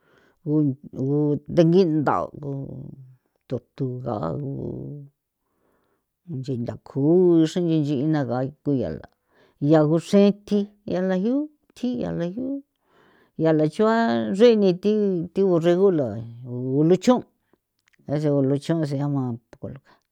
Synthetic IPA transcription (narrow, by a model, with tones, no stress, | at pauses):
ɣu˧ɣu˧d̪e˧ŋɡi˦nd̪a̰˨ku˧ | t̪u˧t̪u˧ɣa̰˨a̰˦ɣṵ˧ | nd͡ʒi˧nd̪a˨kʰu˨˦˧ʂẽ˦nd͡ʒi˧nd͡ʒi˧i˧nã˧ɣa˨˦ku˧ja̰˨la̰˨ | ja˧ɣu˧ʂẽ˦t̪i˧ | ja˧la˧hju˦ | t̪ʰi˦ja̰˧˨la˧hju˦ | ja˨la˨t͡ʃu˦a˦ʐe˦˧nĩ˧t̪i˦t̪i˦βu˧re˧ɣu˦la˨˧u˧lu˦t͡ʃõ˦ | a˧s̬e˧u˧lu˧t͡ʃõ˦˧s̬e˧a˦mã˧pu˧ko˧lu˧kḁ˧